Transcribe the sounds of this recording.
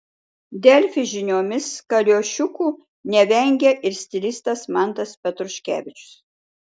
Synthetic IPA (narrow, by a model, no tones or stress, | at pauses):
d̪ʲɛlʲfʲɪʒʲɪnʲoːmʲɪskɐlʲoːʃʲʊkuː | nʲɛʋʲɛŋʲɡʲɛʔɪɾsʲt̪ʲɪlʲɪst̪ɐsmɐˑnˑt̪ɐspʲɛt̪ɾʊʃʲkʲæ̰ːʋʲɪt͡ʃʲʊ̥s